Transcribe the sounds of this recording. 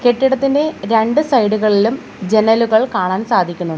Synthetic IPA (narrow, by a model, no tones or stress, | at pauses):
keʈːiɽɐt̪ːinde̞ɾe̞ɳɖɨsɐjɽuɣɐɭilum | d͡ʑe̞nɐluɣɐɭkaːɳaːnsaːd̪ʱikʲːunːuɳɖɨ